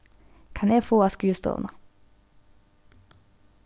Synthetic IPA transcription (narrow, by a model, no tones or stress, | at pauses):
kʰɑneːfoːɑːskʉːst̪o̰ːnɑ